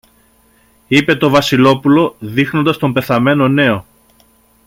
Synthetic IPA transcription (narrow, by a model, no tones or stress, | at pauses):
ipe̞t̪o̞vɐsilo̞pulo̞ðixno̞nd̪ɐst̪o̞mbe̞θɐme̞no̞ne̞o̞